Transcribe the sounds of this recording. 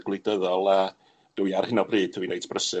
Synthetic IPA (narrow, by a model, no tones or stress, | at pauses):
ɡlˠɪdəðɔlˠa | d̥əwiarhɪnɔbriːd̥̚tʰəwinejtʰb̥rəsɨ